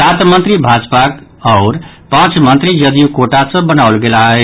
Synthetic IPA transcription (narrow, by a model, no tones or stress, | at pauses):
t̪at̪mənt̪ɾibʱad͡zpak | ʌʊɾ | pãt͡sʰmənt̪ɾijʌd̪ijukoʈasʌ̃bənawlɡelaɦe